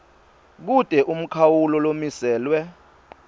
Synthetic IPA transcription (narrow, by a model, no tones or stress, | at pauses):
k̬utʼɛʔum̩kʰawulɔlomisɛːlwɛ